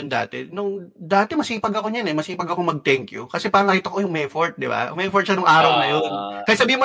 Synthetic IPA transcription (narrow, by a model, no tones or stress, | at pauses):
ʊnd̪a̰ːt̪ɛnʊŋd̪aːt̪ɛmɐsiːpɐɡɐko̞ɲɐnɛmɐsiːpɐɡɐkomɐɡ̚t̪ɛŋkjʊ̰kɐsɛpaːɾɐŋːɐɾiːt̪oɐkojʊŋmɛfoɹt̪̚d̪ɪba̰mɛfoɹt̪̚ʃɐnʊŋʔaːɾɐwnɐjonkɐjasɐbiːhɪmo